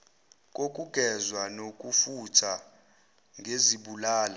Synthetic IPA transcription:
k̬ʼokʼuɡ̥ʱɛzwanok̬ʼufutʰa | ŋʱeziɓulaːla

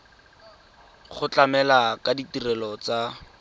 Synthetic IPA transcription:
χʊt͡ɬamɛlakaditirɛlɔt͡sa

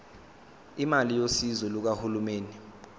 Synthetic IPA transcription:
imalijosizɔluk̬ahulumeːni

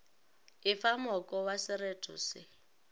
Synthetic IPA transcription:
ɪfamɔkʼɔwasɪɾetʰʼʊ̰sɪ

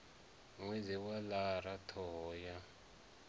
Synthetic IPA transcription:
ŋweziwalaɾatʰɔːja

